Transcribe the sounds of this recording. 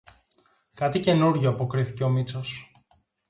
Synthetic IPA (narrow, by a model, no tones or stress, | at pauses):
kɐt̪ice̞nuɾʝoɐpo̞kɾiθice̞o̞mit͡so̞s